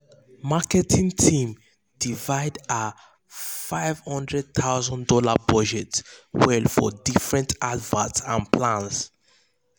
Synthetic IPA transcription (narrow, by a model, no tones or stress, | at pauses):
makɛtʰĩŋtʰĩm | d̥ivaɪda | faɪv̥hɔ̃ndɹɛd̚t̪ʰaʊzɔ̃ndɔlabɔd͡ʒɛtswɛlfɔ̰difɹɛ̃ntadvatsãnpʰlãns